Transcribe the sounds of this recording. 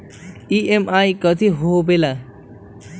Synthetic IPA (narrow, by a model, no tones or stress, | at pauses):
iemajkʌt̪ʰiɦobela